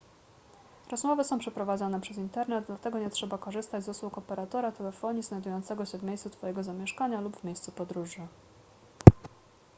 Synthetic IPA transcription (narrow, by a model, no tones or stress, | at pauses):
ɾɔzmɔvɘsɔ̃w̃pʂɛpɾɔvad̪ɔnɛpʂɛzint̪ɛɾnɛd̪̚d̪lat̪ɛɡɔɲɛtʂɛbakɔʐɘst̪ad͡ʑzuswukɔpɛɾat̪ɔɾat̪ɛlɛfɔɲiznajd̪ujɔnt̪sɛɡɔɕɛvmʲejssut̪fɔjɛɡɔzamʲjɛʂkaɲalubvmʲejst̪supɔd̪ɾuʐɘ